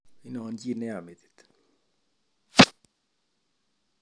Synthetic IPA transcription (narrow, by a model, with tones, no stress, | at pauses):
i˦nɔ˨ɔ˦nd͡ʒi˦˨nɛ˦a˨me˨t̪i̥t̪